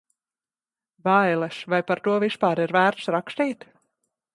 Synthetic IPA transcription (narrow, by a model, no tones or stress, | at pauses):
vajlˠɛsvajpaɾt̪uɔvispaːɾiɾvæːɾt̪sɾakst̪iːt̪